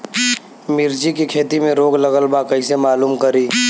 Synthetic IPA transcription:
mɪɾd͡ʒikikʰeːt̪imẽɾoːɡləɣəlbakəɪsemaːluːmkəɾiː

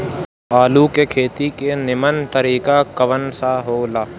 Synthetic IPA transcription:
aːlukekʰeːt̪ikenɪmənt̪əɾiːkakəʋənsaɦoːlaː

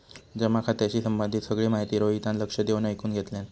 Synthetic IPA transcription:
d͡ʑəmakʰat̪jat͡ɕiːsəmbənd̪ʱit̪səɡɭiːmaɦit̪iːɾoɦit̪anləkʂəd̪eʋnajkuːnɡʱet̪lẽn

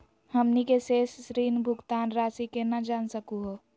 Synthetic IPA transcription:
həmnikeseːssɾiːnbʱʊɡt̪aːnɾaːsikenəd͡ʒaːnsəkuɦo

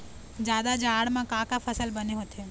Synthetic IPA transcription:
d͡ʒjaːd̪ad͡ʒaːɽmãkãːkapʰɐsəlbəneɦoːt̪ʰeː

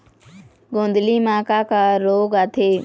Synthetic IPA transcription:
ɡõːnd̪liːmãːkaːkaːɾoːɡaːt̪ʰeː

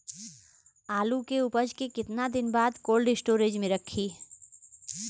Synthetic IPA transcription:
aːlukeʊpəd͡ʒkekɪt̪nad̪ɪnbaːd̪koːlɖɪsʈoːɾed͡ʒmẽɾɐkʰːiː

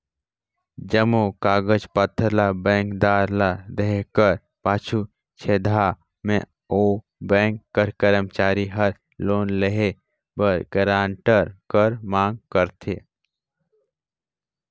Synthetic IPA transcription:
d͡ʒəmokaːɡəd͡ʒpət̪ʰːəɾlabɛ̃ːŋkd̪aːɾlad̪eɦekəɾ | paːt͡ʃʰu | t͡ʃʰeːd̪ʱa | mḛ̃ | oː | bɛ̃ːŋkːəɾkəɾəmt͡ʃaːɾiɦəɾ | loːnleɦe | bəɾɡ̥əɾãːɳʈəɾkəɾmãːŋɡkəɾt̪ʰe

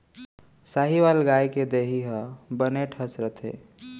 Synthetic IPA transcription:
saːɦiʋalɡaːjked̪eɦiɦəbəneʈʰəsɾət̪ʰḛː

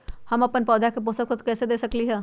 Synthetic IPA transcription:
hɐmɐpənpɔːd̪ʱakep̬oːsək̚t̪ət̪kɛːsed̪eːsɐkliɦɛː

